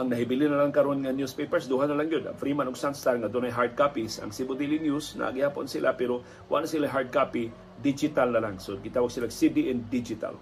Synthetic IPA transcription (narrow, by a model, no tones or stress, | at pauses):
ʔɐŋnɐɦɪbɪlɪnɐlaŋkɐɾonŋɐnjuspejpɛɹsd̪uːɦanɐlaŋjod̪ɐ̰ŋfɾimanoɡsanst̪aɾŋɐd̪onajɦaɹd̪̚kapisɐ̰ŋsibod̪ilinjusnɐ̰ɡɪhaːpo̰nsɪlʔa̰pɛɾo | wʔa̰ɡ̚nasɪlaɦaɹd̪̚kapi | d̪id͡ʒɪt̪alnɐlaŋsoɡɪt̪aːwaɡ̚sɪlaɡsid̪iʔɛnd̪id͡ʒɪt̪a̰l